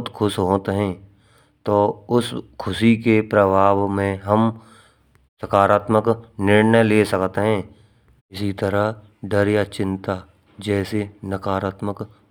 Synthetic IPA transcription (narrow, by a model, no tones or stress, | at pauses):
t̪kʰʊʃɦoːt̪ɦɛ̃ː | t̪oːʊskʰʊʃikepɾəbʱaːbmẽɦəm | sɐkaːɾaːt̪məknɪɾnəjleːsɐkt̪eɦɛ̃ː | ɪsit̪əɾəɦ | ɖəɾjat͡ʃɪ̃nt̪a | d͡ʒɛːsenəkaːɾaːt̪mək